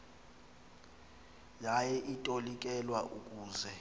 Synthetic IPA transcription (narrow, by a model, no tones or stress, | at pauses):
jajɛʔitʼolikʼɛlwaʔukʼuːzɛ